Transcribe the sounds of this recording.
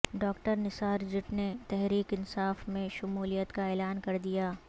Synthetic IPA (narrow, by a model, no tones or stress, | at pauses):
ɖɔːk̚ʈəɾnɪsaːɾd͡ʒɪʈnet̪ɛɦɾiːkɪnsaːfmẽʃʊmuːlijət̪kaɛːlaːnkɐɾd̪ijaː